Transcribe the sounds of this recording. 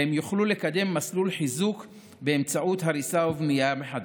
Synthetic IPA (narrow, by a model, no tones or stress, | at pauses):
hemjuχlule̞kad̪e̞mːaslulħizuk | be̞ːmt͡saʔut̪ɦaɾisauvnijameħad̪